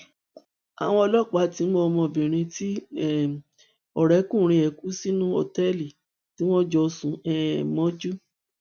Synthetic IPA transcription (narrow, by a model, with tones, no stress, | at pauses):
a̰˨w̃ɔ̃˧ɔ˧lɔ˦˨k͡pa˨˦ti˨˦mo˧ɔ˧mɔ̃˧˨bĩ˨ɾ̃ĩ˧ti˦ɛ˨ | ɔ˨ɾɛ˨˦kũ˦˨ɾ̃ĩ˧˦ɛ˨ku˨˦si˦nũ˦o˧˨tɛ˦li˨ | ti˨˦w̃ɔ̃˦d͡ʒɔ˧sũ˧ɛ˦mɔ̃˦d͡ʒu˦